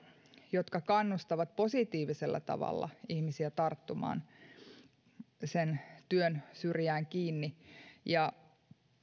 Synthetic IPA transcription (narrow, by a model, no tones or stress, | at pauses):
jot̪kɑkɑnːust̪ɑʋɑt̪̚po̞sit̪iːʋiselːɑ̰t̪ɑ̰ʋɑ̰lːɑ̰ihmisiæt̪ɑrt̪ːumɑ̰ːn | sent̪yønsyrjæːŋkiːnːijɑ